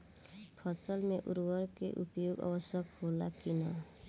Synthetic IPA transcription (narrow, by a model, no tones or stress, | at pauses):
pʰʌsʌlmeʔuɾwʌɾkeʔupjoɡʌ̰bʌsjʌkhola̰kinʌ